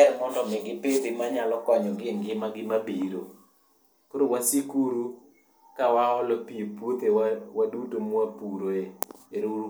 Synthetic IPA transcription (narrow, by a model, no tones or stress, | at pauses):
ɾɛmɔndɔmɛɡɪped̪ɪmaɲalɔkwaɲɔɡɪŋɡɪmaɡɪmabiɾo̰ | koɾowasikuɾu | kawaɔlɔpiopwot̪ewwadutomwapuɾoeeɾo